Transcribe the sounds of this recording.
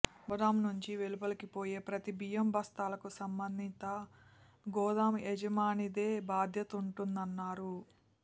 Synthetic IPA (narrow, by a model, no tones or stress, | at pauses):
bɐd̪aːmnuɲt͡ʃiʋe̞lupɐlikipoːjeːpɾɐt̪ibijɐmbʱɐst̪aːlɐkusɐmbɐnd̪ʱit̪ɐ | ɡɔːd̪aːmed͡ʒɐmaːnid̪e̞ːbaːd̪ʱjɐt̪uɳʈund̪ɐnːaːɾu